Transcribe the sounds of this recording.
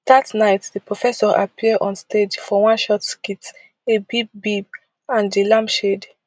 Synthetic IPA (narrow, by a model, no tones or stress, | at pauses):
datnaɪtdipɹɔfɛsɔɹʔa̰pʰiəɔ̃nstʰed͡ʒfɔwãnʃɔtskit | ebib̚bib | ãnilãmbʃed